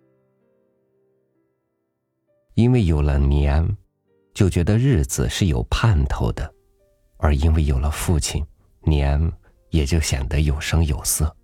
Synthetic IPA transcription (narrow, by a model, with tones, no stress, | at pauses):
i˥nwe˥˩ɪjo˨˩ʊlə˦njɛ˧˥n | t͡ɕjo˥˩ʊt͡ɕɥɛ˧˥d̪ə˧ɻɻ̩˥˩d͡zɹ̩̰˨˩ʂɻ̩˥˩jo˨˩ʊpʰa˥˧nt̪ʰo˧˥ʊd̪ə˩ | ə˞˧˥i˥nwe˥˩ɪjo˨˩lə˦fu˥˩t͡ɕʰḭ˨˩n | njɛ˧˥n | jɛ˨˩t͡ɕjo˥˩ʊɕjɛ̰˨˩nd̪ə˧˦jo˨˩ʊʂɤ˥ŋjo˨˩ʊsɤ˥˩